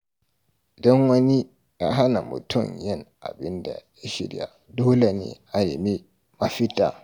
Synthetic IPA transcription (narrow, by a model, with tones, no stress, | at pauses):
ʔɪ˨dɔ˦ŋwɐ˦ni˦ | ja˦ɦa˦na̰˨mʊ̰˨tʰʊ˦˨mjɪ˦˨ŋʔa̰˨bɪ˦nda̰˨ja˦ʃɪ̰˨ɾ̰ja̰˦˨ | doː˦le˨nḛː˨ʔa˨lɪ˨mi˦ | ma˦ɸɪ˦ta̰ː˨